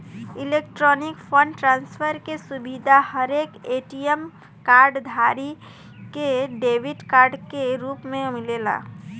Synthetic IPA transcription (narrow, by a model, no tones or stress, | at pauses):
ɪleːk̚ʈɾɔːnɪkpʰə̃ɳɖʈɾãːnspʰəɾkesʊbid̪ʱahəɾeːkeːʈijəm | kaːɾɖd̪ʱaːɾi | keɖeːʋɪʈkaːɾɖkeɾuːpmẽmɪleːla̰ː